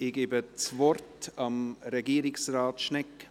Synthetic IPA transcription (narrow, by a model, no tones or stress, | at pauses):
ɪɡ̥eːbət͡svɔrtɑmɾɛɡiːɾɪksraːtʃnɛkː